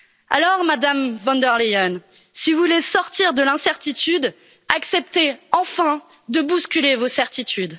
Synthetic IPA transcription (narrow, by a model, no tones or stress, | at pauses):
a̰lɔʁmad̪amvɑ̃nd̪ɛʁlejɔn | sivulesɔʁt̪iʁd̪əlɛ̃sɛʁt̪it̪yd̪ | aksɛp̚t̪eɑ̃fɛ̃ | d̪əbuskʲylevosɛʁt̪it̪ʰyd̪